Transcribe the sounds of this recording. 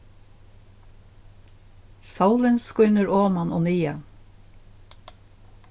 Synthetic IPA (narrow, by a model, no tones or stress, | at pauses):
sɑʊlənskʊnəɹoːmɑnʔo̰ːnyːə